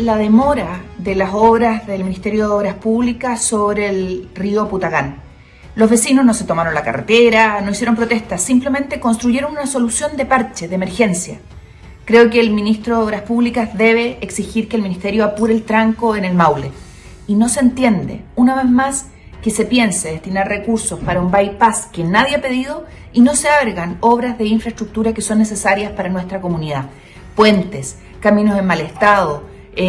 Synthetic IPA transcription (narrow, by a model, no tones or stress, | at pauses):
lað̞e̞mo̞ɾaðelasoβɾazðelminist̪e̞ɾjo̞ðeoβɾaspuβlikasoβɾelrio̞put̪aɣan | lo̞zβe̞sino̞sno̞se̞t̪o̞maɾo̞nlaka̰rḛt̪eɾano̞isjeɾo̞mpɾot̪eht̪asimpleme̞nt̪e̞ko̞nst̪ɾuʝe̞ɾonunaso̞lusjo̞nd̪e̞paɾt͡ʃeðeme̞ɾxe̞nsja̰ | kɾe̞okeːlminist̪ɾoðoβɾaspuβlikazðe̞β̞e̞ʔːksixiɾkeːlminist̪eɾjoapuɾelt̪ɾaŋkoenelmawle | ino̞sent̪je̞nd̪ḛunaβe̞zmas | kese̞pje̞nseðest̪inaɾrekuɾsospaɾaumbajpaskenaðjeape̞ðið̞o̞ | ino̞seaβɾɣano̞βɾazðe̞iɱfɾaest̪ɾuk̚t̪uɾakeso̞nːes̬esaɾjaspaɾanwest̪ɾako̞muniða | pwe̞nt̪es | kaminosenmalest̪aðo